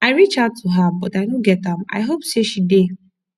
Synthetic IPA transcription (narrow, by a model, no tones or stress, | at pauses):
aɪɹit͡ʃaʊtʰːuɦabɔtaɪnõɡɛtãma̰ɪɦopseʃide